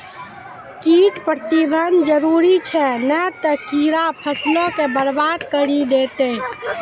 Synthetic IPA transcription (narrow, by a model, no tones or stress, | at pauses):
kiːʈpɾət̪ibʱənd͡ʒəɾuːɾit͡ʃʰɛnət̪əkiɾapʰəslõkebəɽbat̪kəɾid̪eːt̪e